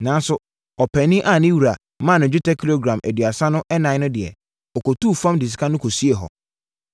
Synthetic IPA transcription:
nãː˨n˦sʊ˨ | ɔ˨pʰɛ˨nĩ˦ʔa˨nĩ˦wu˨ɾa˨ | mã˦˨nʊ̃˨d͡ʑᶣɪ˦tʰɛ˦kʰi˦lo˦ɡɾã˨mæ˨dɥa˨sa˦nʊ̃˦ʔɛ˦nã˨˦nʊ̃˦dɪ˨ɛ̰˨ | ɔ˨ko˨tu˦˨fã˦mdi˨s̬ɪ̥˨kʰa˦nʊ̃˦kʰo˨si˦e˨ɦɔ̰˨

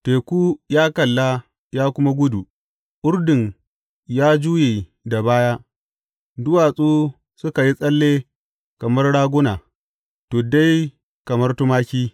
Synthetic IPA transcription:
teː˨kʷuː˦jaː˦kɐ˨lːa˦ | jaː˦kʷʊ˦ma˦ɡʷʊ˦du˨ | ʔʊ˦rdɪ˨ŋ | jaː˦d͡ʒuː˦jeː˨ | da˨baː˦jaː˦ | dʊ˦waː˨sʼuː˦ | sʊ˦ka˨ji˦sʼɐ˦lːeː˦ | kɐ˨mɐ˦rɽaː˦ɡʷʊ˦naː˨ | toː˨da˦j | kɐ˨mɐ˦rtʊ˦maː˦kʲiː˦

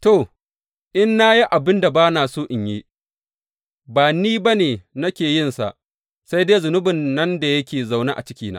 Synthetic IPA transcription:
to˨ | ʔɪ˦nːa˦ji˦ʔa˨bɪ˦nda˨baː˦naː˨su˦ʔɪ˨ɲji˦ | baː˨niː˦ba˦neː˨nɐ˦kʲeː˨jɪ˦˨nsa̰˨ʔ | sa˦jdeː˦zʊ˨nʊ˦bɪ˨nːɐ˦nda˨jɐ˦kʲeː˨za˨wna˦ʔa̰˨t͡ʃɪ˦kʲiː˦na̰ː˦

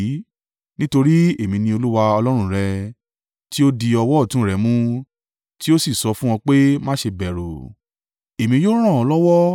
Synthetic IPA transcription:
nĩ˦to˧ɾi˦e˦˨mĩ˧nĩ˧o˧lu˦wa˧ɔ˧lɔ˦ɾ̃ũ˧˨ɾɛ˧ | ti˦o˦di˧ɔ˧wɔ˦˨tũ˦ɾɛ˨˦mũ˦ | ti˦o˦si˦˨sɔ˧˦fũ˦w̃ɔ̃˧k͡pe˦mã˦ʃe˧bɛ˨ɾo˨ | e˨mĩ˧jo˦ɾ̃ã˦˨ɔ˧lɔ˦wɔ˦

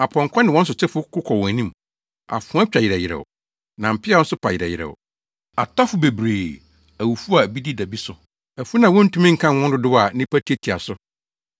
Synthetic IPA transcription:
a˨pʰɔ̃˨ŋ˨kʰʷɔ̃˦nɪ̃˨wɔ̃˦n˦s̬ʊ˨t͡ɕʰɪ˦fʊ˦kʊ˦kʰɔ˨wɔ̃˨æ˨nĩ˦m | a̰˨fʊ̃˦a˦t͡ɕᶣa˨jɪ˨ɾɛ˨jɪ˨ɾɛ̰˨ | nã˨m̩˨pʰɪ˦a˦ɔ̃˦n̩˦sʊ˦pʰa˨jɪ˨ɾɛ̰˨jɪ̰˨ɾɛ̰˨ʊ̰˨ | a̰˨tʰɔ˦fʊ˨be˨bɾeː˨ | æ˨wu˨fu˦a˨bi˦di˦da˨bi˦sʊ˨ | ɛ˨fʊ˦nã˨wɔ̃˦n̩˦tũ˦mĩ˦ŋ̩˨kʰã˦˨wɔ̃˦n˦dʊ˦dʊ˦wa˨˦nɪ̃˦pʰæ˦tʰi˦e˦tʰi˨a˨sʊ˦

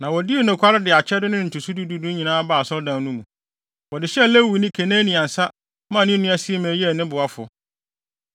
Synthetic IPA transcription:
nã˨wɔ˨dɪ˦o˨˦nɛ̃˨kʰʷa˦ɾɪ˦dɪ˨a˨t͡ɕʰɛ˦dʊ˦nɪ̃˦n̩˨tʰu˨su˦du˦du˦dũ˦ɲĩ˨nãː˦baː˨sɔ˦dã˨n˦nũ˦mũ˨ | wɔ˨dɪ˨ɕɛ˦˨lɛ˦˨wi˨nɪ̃˦kʰe˨nẽː˦nĩ˨ã˨n̩˨sa˦ | mã˦˨nɪ̃˦nʊ̃˦a˦si˦e˦mɛ̃ː˨˦jɛ˦˨nɪ̃˦bʊ˨a˦fʊ̰˨

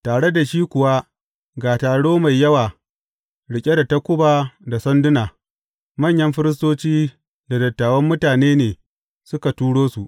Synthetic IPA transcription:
taː˨ɽe˦da˨ʃiː˦kʷʊ˨wa˦ | ɡaː˨taː˨ɽoː˦ma˨jːɐ˦waː˨ | ɽɪ˨kʲʼe˦da˨ta˦kʷʊ˦baː˨da˨sɐ˦ndʊ˦naː˨ | mɐ˦˨ɲjɐ˦mɸɪ˦ɾɪ˦s̬toː˦t͡ʃiː˦ | da˨dɐ˨tːaː˨wɐ˦mːʊ˦taː˨neː˦neː˨ | sʊ˦ka˨tuː˦ɽoː˦su˨ʔ

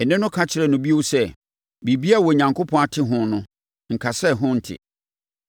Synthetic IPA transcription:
ɛ˨nɪ̃˦nʊ̃˦kʰa˦t͡ɕʰɪ˨ɾɛ˨nʊ̃˨bi˦o˦wsɛ˦ | bi˨bi˦a˦˨wɔ˨ɲã˨ŋkʰʊ˦pʰɔ̃˦a˨tʰɪ˦ɦʊ̃˦nʊ̃˦ | ŋ̩˨kʰa˨sɛ˦˨ɦʊ̃˦n̩˨tʰɪ̰˨

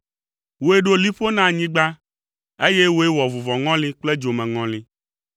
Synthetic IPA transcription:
wo˨e˦ɖo˦li˦ɸo˦nã˦˨ɲĩ˦ɡ͡ba˦ | e˦je˦wo˨˦e˦wɔ˨vu˨vɔ˨ŋɔ̃˦lĩ˦k͡ple˦d͡ʒo˨mɛ̃˨ŋɔ̃˨li˦

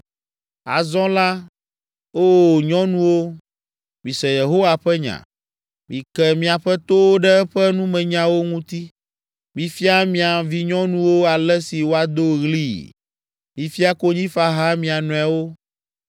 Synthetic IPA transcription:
a̰˨zɔ̃˦la˦ | o˦˨ɲɔ̃˦nũ˦wo˦ | mĩ˨sɛ˨je˨ɦo˦wa˨ɸɛ˦ɲã̰˨ | mĩ˨kɛ˦˨mĩ˨a˨ɸɛ˦t̪o˦wɖɛ˦ɛ˦ɸɛ˦nũ˦mɛ̃˨ɲã˦wo˦ŋũ˦t̪i˦ | mĩ˨fi˦a˦mĩ˨a˨vi˦ɲɔ̃˦nũ˦wo˦a˨lɛ˦si˨wo˦a˨d̪o˦ɣli˦ | mĩ˨fi˦a˦ko˦ɲĩ˦fa˦ɦã˦mĩ˨a˨nɔ̃˨a˨wo˦

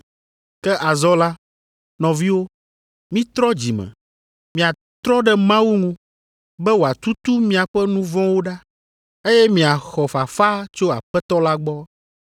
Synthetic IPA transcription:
kɛ˦ʔa˨zɔ˦la˦ | nɔ̃˨vi˦wo˦ | mĩ˦t̪ɾɔ˦d͡ʑi˨mɛ̰˨ | mĩ˨a˨ | t̪ɾɔ˦ɖɛ˦mã˦wu˦ŋũ˦ | bɛ˦wo˨a˨t̪u˦t̪u˦mĩ˦a˨ɸɛ˦nũ˦vɔ̃˦wo˦ɖa˦ | e˦jɛ˦mĩ˨a˨xɔ˨fa˨fa˦t͡ʃo˦a̰˨ɸɛ˦t̪ɔ˦la˦ɡ͡bɔ˦

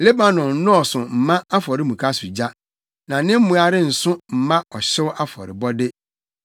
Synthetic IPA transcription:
le˦ba˨nɔ̃˨n˦nʊ̃˦ɔ˨sʊ˨m̩˨mã˦a˦fɔ˨ɾɪ˦mũ˨kʰa˦sʊ˨d͡ʑa˦ | nã˨nɪ̃˦m̩˦mũ˨a˨ɾɪ˦n̩˨sʊ̃˦m̩˨mã˦ɔ˨ɕɪ˦wʔa˦fɔ̰˨ɾɪ̰˨bɔ˦dɪ˦

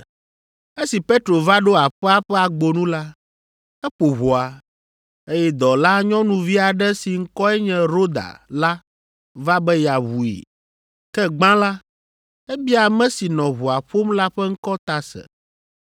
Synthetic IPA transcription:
e˦si˨pe˦t̪ɾo˨va˦ɖo˦a˨ɸɛ˦a˦ɸɛ˦a˨ɡ͡bo˨nũ˦la˦ | ɛ˦ɸo˨βo˨a˨ | e˦jɛ˦d̪ɔ˨la˦ɲɔ̃˦nũ˨vi˦a˨ɖɛ˦si˨ŋ̩˦kɔ˦ɛ˦ɲɛ̃˨ɾo˦d̪a̰˨la˦ | va˦bɛ˦ja˨βu˨ḭ˨ | kɛ˦ɡ͡bã˦la˦ | ɛ˦bi˦a˨mɛ̃˦si˨nɔ̃˨βu˨a˨ɸo˦mla˦ɸɛ˦ŋ̩˦kɔ˦t̪a˦sɛ̰˨

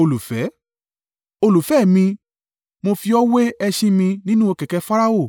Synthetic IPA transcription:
o˧lu˨fɛ˨˦ | o˧lu˨fɛ˨˦˨mĩ˧ | mo˧fi˧ɔ˦we˦ɛ˧ʃĩ˧mĩ˧nĩ˦nũ˦o˧kɛ˨kɛ˨˧fa˦ɾa˦o˦˨

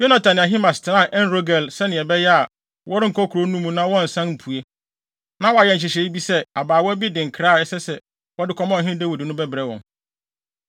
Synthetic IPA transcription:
jo˦nã˨tʰã˨nɪ̃˨a˨ɦĩ˦mã˨stʰɪ˨nã˨ʔɛ˦n˦ɾo˦ɡɛ˨lsɛ˦nɪ̃˨ɛ˨bɛ˦jɛ˦a˨ | wɔ˦ɾɪ˦ŋ̩˨kʰɔ˦kʰu˨ɾo˨˦nũ˦mũ˦nã˦wɔ̃˦˨n̩˨sã˦nm̩˨pʰu˨e˦ | nã˦wɔ˨˦a˨jɛ˨˦ɲ̩˨ɕ̬ɪ˨ɕɛ˨˦i˦bi˦sɛ˦a˨baː˨wɔ˦bi˦dɪ̃˨ŋ̩˨kʰɾa˦˨ɛ˦sɛ˦sɛ˦ | wɔ˦dɪ˦kʰɔ˦mɔ̃˦˨ɦɪ̃˦dɛ˦wo˨dɪ˨nʊ̃˦bɛ˦bɾɛ˨˦wɔ̰̃˨n

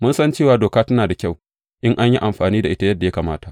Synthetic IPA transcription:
mʊ˦nsɐ˦nt͡ʃeː˦˨waː˨doː˨kaː˦tɐ˦naː˨da˨kʲa˦˨w | ʔɪ˦ŋʔa˦ɲji˦ʔa˨mɸaː˨niː˦da˨ʔɪ˦ta˦jɐ˦dːa˨ja˦kaː˨maː˦ta˨ʔ

